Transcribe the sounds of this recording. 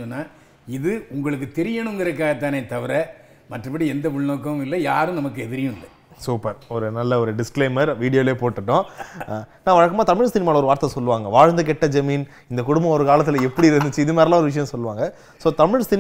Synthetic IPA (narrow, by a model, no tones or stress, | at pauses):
ɔnːaː | ɪðɯʊŋɡɐɭɯk̬ːɯt̪ɛɾɪjɐnɯ̃ŋɡɪɾɐk̬ːaːɣɐt̪ːaːneːt̪ɐʋɪɾɛ | mɐʈrɯpɐɽiɛnd̪ɐʋʊɻnoːkːɐɪlːɐjaːɾɯ̃nɐmɐk̬ːɯɛðɪɾɪjʊ̃ɪlːɐ | suːpɐɾɔɾɯnɐlːɐɔɾɯɖɪskleːmɐɾʋiːɽɪjoːleːpoːʈːɯʈːʊ̃ | naːʋɐɻɐkːɐmaːt̪ɐmɪɻst̪ɪnɪmaːlɐɔɾɯʋaːɾt̪ɐsɔlːɯʋaːŋɡɐʋaːɻnd̪ɯk̬ɛʈːɐd͡ʒɐmiːn | ɪnd̪ɐkʊɽʊmbɐ̃ɔɾɯkaːlɐt̪ːɪlɐɛpːɐɽiɪɾɯnd̪ɯt͡ʃːɯɪðɯmeːɾlãːɔɾɯʋɪʂ̬ɐjɐ̃sɔlːɯʋaːŋɡɐ | soːt̪ɐmɪɻsɪn